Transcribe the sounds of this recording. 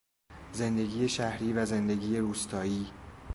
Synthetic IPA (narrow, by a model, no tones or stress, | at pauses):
ze̞nd̪e̞ɡiːjeʃæhɾiːvæze̞nd̪e̞ɡiːje̞ɾuːst̪ʰɒːjiː